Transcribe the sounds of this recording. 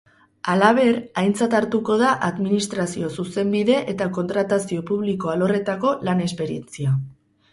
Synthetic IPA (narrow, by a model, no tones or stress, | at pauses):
alaβ̞e̞ɾajnt͡sat̪aɾt̪uko̞ð̞aʔaðminist̪ɾasio̞suse̞mbiðe̞ʔet̪ako̞nt̪ɾat̪asio̞puβ̞liko̞alo̞re̞t̪ako̞lane̞spe̞ɾie̞nt͡sia